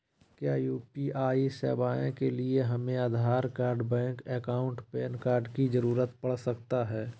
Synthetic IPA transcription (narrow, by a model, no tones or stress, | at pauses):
kjaːjuːpiʔaːisɛ̰ːbaːẽkelieɦɐmẽaːd̪ʱaːɾkaːɾɖbɛ̃ːŋkɛːkaːʊ̃ɳʈpeːnkaːɾɖkizəɾuːɾət̪pɐɽ̤səkt̪aɦɛː